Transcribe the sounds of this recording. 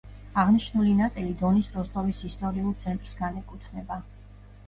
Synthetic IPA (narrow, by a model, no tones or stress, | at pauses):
aʁniʃnulinat̪sʼilid̪ɔnisɾɔst̪ʼɔvisist̪ʼɔɾiulˠt̪sʰɛnt̪ʼɾsɡanɛkʼut̪ʰnɛba